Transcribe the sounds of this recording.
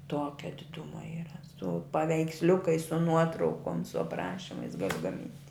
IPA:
ˈtuɔkʲɛ dʲɪˈdʊmɐ iːrɐ sʊ pɐʋʲɛɪksʲˈlʲʊkɐɪs sʊ ˈnuɔtrɐʊkoːm sʊ ɐpˈrɑːʃʲɪmɐɪs ˈɡɑːlʲɪ ɡɐˈmʲɪnʲtʲ

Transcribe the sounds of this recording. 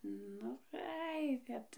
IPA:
ˈnʊ ˈɐɪ ˈkɐt

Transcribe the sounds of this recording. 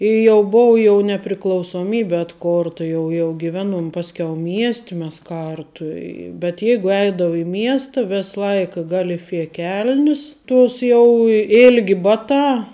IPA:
ɪ jɛʊ ˈbʊʋʊ jɛʊ nʲɛpʲrʲɪklˠɐʊsoːˈmʲiːbʲɪ ɐtˈkoːrtɐ ˈjɛʊ jɛʊ ɡʲɪˈʋʲæːˌnuɔm ˈpɑːsʲˌkʲɛʊ ˈmʲiɛsʲtʲɪ mʲɛs ˈkɐrtʊ ɪ bʲɛt ˈjɛɪɡʊ ˈɛɪdɐʋʊ ɪ ˈmʲiɛstɐ ˈʋʲɛs ˈlˠɐɪk ɡɐlʲɪˈfʲiɛ ˈkʲɛlʲnʲɪs ˈtuɔs jɛʊ ɪ ˈɪlʲɡʲɪ ˈbɑːˌtɑː

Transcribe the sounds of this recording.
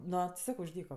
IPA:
ˈnoː tʲɪ ˈsɑːkoː ʊʃ ˈdʲiːkoː

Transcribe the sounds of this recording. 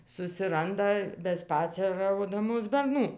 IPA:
sʊsʲɪˈrɐndɐ bʲɛˈspɑːt͡sʲɛrɐʊdɐmoːs bʲɛrˈnuː

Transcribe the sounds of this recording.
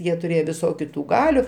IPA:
ˈjiɛ tʊˈrʲeːjoː ʋʲɪˈsoːkʲʊ ˈtuː ˈɡɑːlʲʊ

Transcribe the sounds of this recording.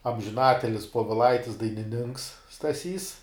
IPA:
ɐmʲʒʲɪˈnɑːtʲɪlʲɪs poːʋʲɪˈlˠɐɪtʲɪs dɐɪnʲɪˈnʲɪŋks stɐˈsʲiːs

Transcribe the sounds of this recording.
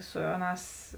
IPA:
ˈsʊ ɐˌnɑːs

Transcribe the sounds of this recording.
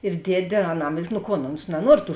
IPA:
ɪr ˈdʲiɛdʲeː ɐˈnɐm nʊ ˈkoːn oːns nɐˈnuɔr tuː

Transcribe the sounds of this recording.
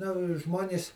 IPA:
nʊ ˈʒmoːnʲeːs

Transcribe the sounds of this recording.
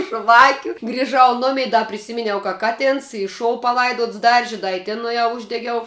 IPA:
ˈʒʋɑːkʲʊ ɡrʲɪˈʒɐʊ ˈnʊmʲɛɪ ˈdɐ pʲrʲɪˈsʲɪmʲɪnʲɛʊ kɐ ˈkɑːtʲɛns ɪ ˈʃoːʊ pɐˈlˠɐɪdoːts ˈdɐrʲʒʲɪ ˈdɐ ɪ ˈtʲɪn nʊeːˈjɛʊ ˈʊʒʲdʲɛɡʲɛʊ

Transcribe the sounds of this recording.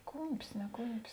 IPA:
ˈkuːmʲpʲɪs nʲɛ ˈkuːmʲpʲɪs

